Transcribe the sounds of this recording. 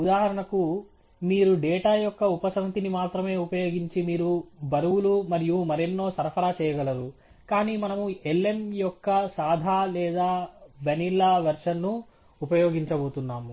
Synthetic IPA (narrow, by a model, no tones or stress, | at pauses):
ud̪aːɦɐɾɐɳɐku | miːɾuɖɛːʈaːjɔkːɐupɐsɐŋɐt̪inimaːt̪ɾɐme̞ːupɐjo̞ːɡiɲt͡ʃimiːɾubɐɾɐwulumɐɾijumɐɾenːo̞ːsɐɾpʰɐɾaːt͡ʃɛːjɐɡɐlɐɾu | kaːniːmɐnɐmuelːe̞mjɔkːɐsaːd̪ʱaːlɛːd̪aːʋɐnilːaːʋɐɾʂɐnːu | upɐjoːɡiɲt͡ʃɐbo̞ːt̪unːaːmu